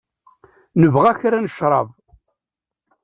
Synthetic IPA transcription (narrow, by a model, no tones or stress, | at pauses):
nəvʁæçɾænəʃɾˤɑ̰v